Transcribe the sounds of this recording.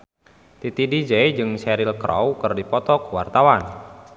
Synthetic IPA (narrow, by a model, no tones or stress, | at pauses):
t̪it̪idid͡ʒɛjd͡ʒɨŋsɛɾilkɾɔ̰wkɨrdipɔt̪ɔkwa̰rt̪awan